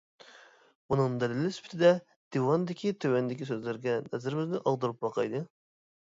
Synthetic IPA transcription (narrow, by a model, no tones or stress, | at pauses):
munɨŋd̪ɛlɪlɪsy̥pʰt̪ʰɪd̪ɛ | d̪̥ewɑnd̪ɪkʲʰit̪ʰøwɛnd̪ɪkʲis̬øzlɪɾɡʲɛnɛzɪɾɪmɪznɪʔɑlˠd̪ɨɾup̚bɑqʰɑ̰jd̪ɨ